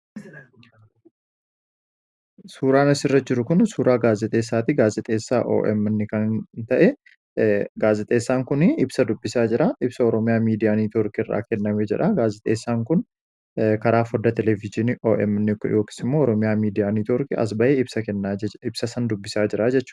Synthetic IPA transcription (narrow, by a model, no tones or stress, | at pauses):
suːɾaːnɐsɪrːɐd͡ʒɪɾʊkʊnsuːɾaːɡaːzɪt̪ʼe̞ːsːaːt̪ɪɡaːzɪt̪ʼeːsːaːʔo̰ːʔɛmnːɪkɐnt̪ɐʔɛ | ɡaːzɪt̪ʼe̞ːsːaːŋkʊnɪɪbsɐd̪ʊbːɪsaːd͡ʒɪɾɐʔɪbsɐɔɾɔmɪjaːmiːd̪ɪjaːnit̪ɔɾkɪrːa̰ːkɛnːɐmeːd͡ʒɛᶑɐɡaːzɪt̪ʼeːsːaːŋkʊn | kɐɾaːfɔd̪ːɐt̪ɛlɛvɪd͡ʒɪniʔoːʔɛ̰mnːɪkjo̞ːki̥sɪmːo̞ːɔɾɔmɪjaːmiːd̪ɪjaːnit̪ɔɾkɪʔɐ̰s̬bɐʔeːɪbsɐkɛnːaːɪb̥sɐsɐnd̪ʊbːɪsaːd͡ʒɪɾad͡ʒɛt͡ʃːʊ̥ː